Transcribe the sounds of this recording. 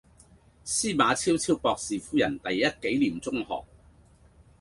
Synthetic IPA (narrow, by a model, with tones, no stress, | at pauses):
siː˥maː˨˧t͡sʰiː˥wt͡sʰiː˥wpɔː˧k̚siː˨˩fuː˥jɐ˨˩nt̪ɐ˨jːɐ˥t̚ke˨˥jliː˨˩mt͡sʊ˥ŋhɔ̰ː˨k̚